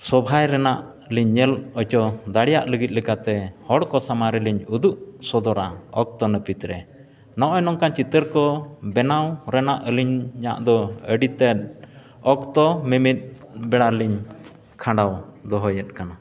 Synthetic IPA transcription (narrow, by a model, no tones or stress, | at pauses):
sɔbʱajɾɛnaʔ | liɲːɛlɔt͡ʃɔd̪aɽɛjaʔləɡit̪̚likat̪ɛhɔɽkɔsamaɾiliɲud̪uʔsɔd̪ɔɾaɔk̚t̪ɔnəpit̪ɾɛ | nɔʔɔjnɔŋkant͡ʃit̪əɾkɔbɛnawɾɛnaʔəliɲɲa̰ʔd̪ɔəɖit̪ɛt̪̚ | ɔkt̪ɔmimit̪̚bɛɽaliɲ | kʰãɳɖawd̪ɔɦɔjɛt̪̚kana